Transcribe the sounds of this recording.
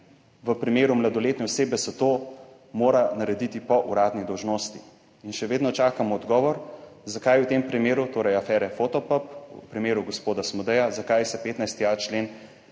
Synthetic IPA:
ʋəpɾimeːɾumlad̪ɔleːt̪nɛɔseːbɛsɛt̪oː | moːɾanaɾɛd̪it̪ipɔʔuɾaːd̪nid̪ɔwʒnoːst̪i | inʃɛʋeːd̪nɔt͡ʃaːkamɔːd̪ɡɔːʋɔɾzakajuwt̪empɾimeːɾut̪oːɾɐjafɛːɾɛfot̪ɔpəpṵpɾimeːɾuɡospoːd̪asmɔd̪ɛjazakajsɛpeːt̪najst̪iat͡ʃleːn

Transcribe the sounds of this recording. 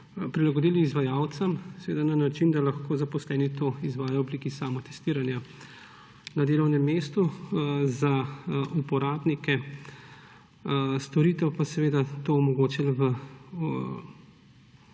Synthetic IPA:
pɾilaɡɔd̪iːliːzʋajawt̪sɐmsɛʋeːd̪ananat͡ʃind̪alaxkoːzapɔslɛːnit̪oizʋaːjajɔbliːkisaːmɔt̪ɛ̥st̪iːɾanja | nad̪eːlɔwnɛmːeːst̪uzaupɔɾaːbnikɛ | st̪ɔɾit̪ɛwpasɛʋeːd̪at̪oɔmɔɡoːt͡ʃilʋə

